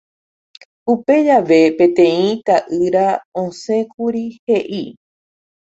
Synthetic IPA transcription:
upe̞d͡ʒaʋe̞pẽ̞t̪ẽ̞ĩt̪aʔɨɾaõsẽ̞kuɾihe̞ʔi

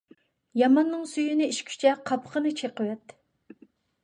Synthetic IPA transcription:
jɑmɑnːɨŋsyjynɪiʃkʲʰy̥t͡ʃʰɛqʰɑpʰəχənɨt͡ʃʰeqəwɛt̪ː

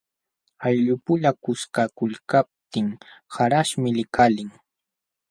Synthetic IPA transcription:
ajʎʊpʊʎakʊskakʊʎkap̚t̪ɪŋhaɾaʃmɪlɪkʰalɪŋ

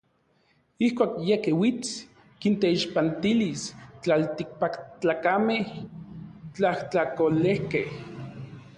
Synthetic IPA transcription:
ihkʷaːkjekewit͡s | kint̪eiʃpant̪ilist͡ɬalt̪ik̚pakt͡ɬaːkameh | t͡ɬaht͡ɬakolehkeh

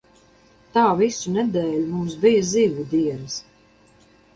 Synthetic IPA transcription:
t̪aːvisunɛd̪ɛːlʲumumsbijaziːvud̪iɛɾs

